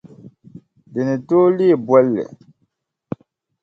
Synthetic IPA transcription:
di˨ni˨to˦li˦˨bwɛ˦lːɛ̰˨

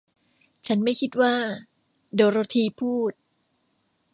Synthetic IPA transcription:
t͡ɕʰa˦˥nma˥˩jkʰi˦˥t̪̚waː˥˩ | doː˧ɾoː˧t̪ʰiː˧pʰuː˥˩t̪̚

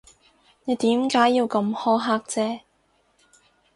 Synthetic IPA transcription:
ne˨˧t̪iː˨˥mkaː˨˥jːiː˧wkɐ˧mhɔː˥ɦaː˧k̚t͡sɛː˧˥

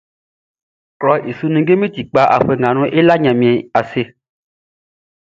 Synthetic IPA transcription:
klɔ˨ʔi˨su˨nĩ˨ɡe˦mẽ˦t̪i˨k͡pa˨ʔa̰˨ɸe˨ŋã˨nũ˦ʔe˦la˦ɲã˨mĩ˨ɛ˨a˨se˨

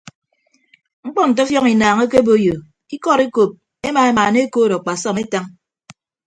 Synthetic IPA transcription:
ŋ͡m̩˦k͡pɔ˦n̩˨t̬ɔ˦fjɔ˦ŋi˨naː˨ŋe˦ke˦bo˦jo˨ | i˦kɔ˦ɾi˦ko˨p̚ | e˦maː˨e˦maː˨ne˦koː˦ɾɔ˨k͡pa˨sɔ˦˨me˦ta˦ŋ

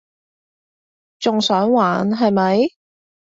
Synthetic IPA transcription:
t͡sʊ˨ŋsœː˨˥ŋwaː˨˧nɦɐ˨jmɐ˨˧j

